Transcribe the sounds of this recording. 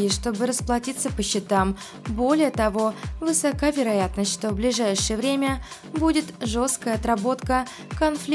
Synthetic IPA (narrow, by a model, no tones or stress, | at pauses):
ɪʂt̪o̞bɨɾəsplˠɐtʲit̪sːəpəɕːɪt̪am | bo̞lʲɪjət̪ɐvo̞vɨsɐkavʲɪɾɐjat̪nəsʲtʲʂt̪o̞vblʲɪʐajʂɨjəvɾʲemʲə | budʲɪt̪ʐo̞st̪̚kəjəɐt̪ɾɐbo̞t̪kə | kɐnflʲ